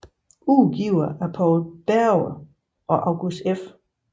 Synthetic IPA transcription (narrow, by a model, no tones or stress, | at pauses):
uːɡ̥iʊ̰ɐæɐpʰɒːlb̥æɐʊ | ɒ̽ʔɑ̈ʊɡ̥usd̥ef